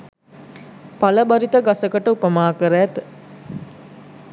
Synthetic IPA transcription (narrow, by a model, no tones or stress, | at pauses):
paləbaɾit̪əɡasəkəʈəupəmaːkəɾəjæt̪